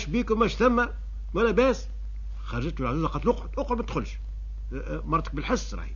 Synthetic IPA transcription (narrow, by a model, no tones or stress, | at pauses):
ʃbiːkwmæʃθæmːæ | wælæbæːs | xɑˤɑʒət̪lʕazæːzɑqɑt̪lʔʊqʕʊd̪ʔoqʕod̪mæd̪xʊlʃ | mɑrˤt̪ə̥k̚bəlħɪsːɾˤɑ̰ħi